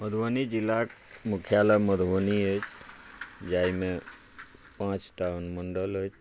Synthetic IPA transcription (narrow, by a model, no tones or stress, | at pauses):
məd̪ʱʋənid͡ʒilːak | mukʰjalaməd̪ʱʋəniət͡ʃ | d͡ʒaimẽ | pãt͡ʃʈawnməɳɖələt͡ʃ